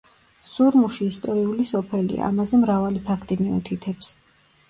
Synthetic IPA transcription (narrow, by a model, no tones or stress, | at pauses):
suɾmuʃiːst̪ʼɔɾiulisɔpʰɛlḭa̰a̰mazɛmɾavalipʰakʰt̪ʼimiṵt̪ʰit̪ʰɛps